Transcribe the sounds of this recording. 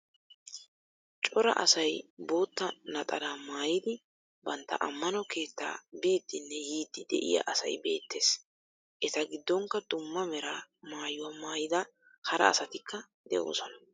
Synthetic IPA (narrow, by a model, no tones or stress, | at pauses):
t͡ʃʼɔɾɐ̰ʔɐ̰sɐjbo̞ːt̪ːɐnɐt̪ʼɐd̪aːmaːjɪd̪ɪ | bɐnt̪ːɐ̰ʔɐmːɐnɔke̞ːt̪ːa̰ːbiːd̪ːɪnːɛjiːd̪ːɪd̪ɛ̰ʔɪ̰jɐ̰ʔɐsɐ̰jbe̞ːt̪ːe̞ːs | ʔɛt̪ɐɡɪd̪ːɔŋkːɐd̪ʊmːɐmɛɾamaːjʊwamaːjɪd̪ɐ | hɐɾɐ̰ːsɐt̪ɪkʰːɐ | d̪ɛ̰ʔo̞̰ːsɔnɐ